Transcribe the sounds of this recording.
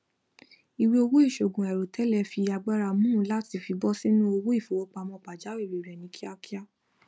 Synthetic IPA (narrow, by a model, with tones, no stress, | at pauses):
i˨wi˧o˧wo˦i˦˨ʃo˨ɡũ˨ɛ˨ɾo˨tʰɛ˨˦lɛ˧fi˧a˧ɡ͡ba˦ɾa˧˨mũ˦la˦ti˧fi˧bɔ˦si˦nũ˦o˧wo˦i˦˨fo˨wo˦k͡pa˧mɔ̃˧k͡pa˨d͡ʒa˨˦wi˦˨ɾi˨ɾɛ˨nĩ˨˦kʰi˦a˧ki˦a˦